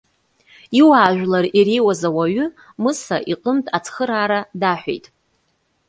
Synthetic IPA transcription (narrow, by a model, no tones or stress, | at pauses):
iwaːʒᶣlaririwazawaɥʏ | mɨsaʔiqʼəmtʼat͡sʰχəɾaːɾadaħʷᶣḛjtʼ